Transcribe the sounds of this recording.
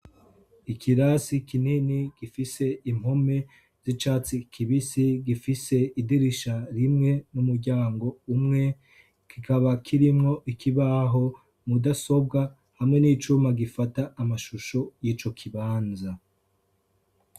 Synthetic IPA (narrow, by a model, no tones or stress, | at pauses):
ikʰiɾasikininiɡ̥ifise̞im̥home̞ | z̥it͡ʃaːt͡sikʰiβisiɡifise̞idiɾiʃaɾimŋe̞numuɾɟaːŋɡo̞umŋe̞ | kikaβakʰiɾimŋo̞ʔikiβaɦo̞ | mudaso̞b̚ɡa | hamŋe̞niːt͡ʃumaɡifataːmaʃuʃo̞jiːt͡ʃo̞kʰiβaːnza